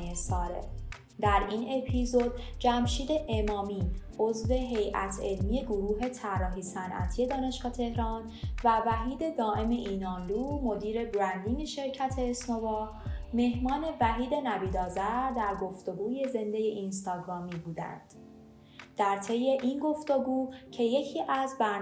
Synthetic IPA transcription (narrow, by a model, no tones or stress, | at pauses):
esɒːɾḛ | d̪æɾiːne̞pʰizo̞d̪̚d͡ʒæmʃiːd̪e̞ʔemɒːmiːo̞zve̞ɦe̞jʔæ̰t̪ʰe̞lmije̞ɡoɾuːɦe̞t̪ʰærːɒːɦiːsænʔæ̰t̪ʰije̞d̪ɒːne̞ʃɡ̥ɒːt̪ʰe̞hɾɒːn | vævæɦiːd̪e̞d̪ɒːʔe̞me̞ʔiːnɒːnd̪uːmo̞d̪iːɾe̞bɾænd̪ineʃe̞ɾcʰæt̪ʰe̞ːsnovɒː | me̞hmɒːne̞væɦiːd̪e̞næbiːd̪ɒːzæɾd̪æɾɡo̞ft̪o̞ɡuːje̞ze̞nd̪e̞je̞ʔinst̪ɒːɡɾɒːmibuːd̪æ̰nd̪̥ | d̪̥æɾt̪ʰe̞je̞ʔinɡo̞ft̪oɡuːcʰe̞je̞cʰiːʔæzbæ